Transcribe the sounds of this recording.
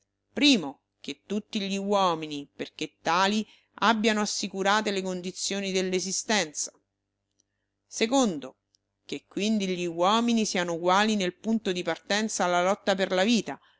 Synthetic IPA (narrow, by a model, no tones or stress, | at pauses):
pɾiːmo | k̟et̪ːut̪ːiʎiwɔːminiperk̟et̪ːaːli | abːjanoasːikuɾaːt̪elekond̪it̪sːjoːnid̪elːezist̪ɛnt̪sḁ | sekond̪o | kekːwind̪iʎiwɔːminisiːanouɡwaːlinelpunt̪od̪ipart̪ɛnt̪saːlːalɔt̪ːaperlaviːt̪a